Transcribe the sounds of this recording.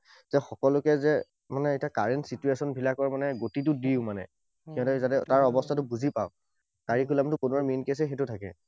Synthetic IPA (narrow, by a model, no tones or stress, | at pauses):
zɛxɔkɔlʊkɛzɛ | manɛitakaɹɛntsituesɔnbʱilakɔɹmanɛɡotitʊdiʊmanɛ̰ | kiɔ̃ntɛzatɛtaɹɔbɔstʰatʊbuzipa̰ʊ | kaɹikulamtʊpunɔɹminkes̬ɛxetʊtʰakɛ̰